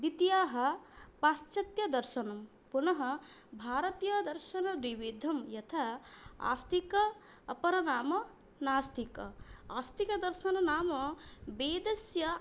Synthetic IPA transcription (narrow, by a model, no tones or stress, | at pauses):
d̪it̪jaːɦɐpaːst͡ʃɐt̪jɐd̪ɐɾʃɐnɐm | punɐɦɐbʱaːɾɐt̪jɐd̪ɐɾʃɐnɐd̪wiʋid̪ʱɐmjɐt̪ʰɐa̰ːst̪ikɐː | pɐɾɐnaːmɐ | naːst̪ʰikɐaːst̪ikɐd̪ɐɾʃɐnɐnaːmɐbeːd̪ɐsjɐ